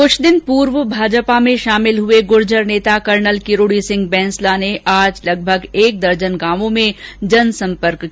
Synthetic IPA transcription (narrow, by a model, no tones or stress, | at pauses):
kʊt͡ʃʰd̪ɪnpuːɾʋəbʱaːd͡ʒpamẽʃaːmɪlɦʊeɡʊɾd͡ʒəɾneːt̪akɐɾnəlkɪɾoːɽisɪ̃ŋɡ̚bɛ̃ːnslaneʔaːd͡ʒlɐɡ̚bʱəɡeːk̚d̪ɐɾd͡ʒənɡaːmõmẽd͡ʒɐnsɐ̃mpəɾk